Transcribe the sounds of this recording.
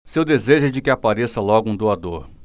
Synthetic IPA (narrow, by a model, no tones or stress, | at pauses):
sewd̪ezeʒʊd͡ʒɪkɪapaɾesɐlɔɡʊũd̪oad̪oɾ